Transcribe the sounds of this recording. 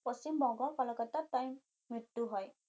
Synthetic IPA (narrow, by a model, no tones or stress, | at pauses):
pɔsimbɔŋɡɔlkalakat̪atajmː | itːuɦɔj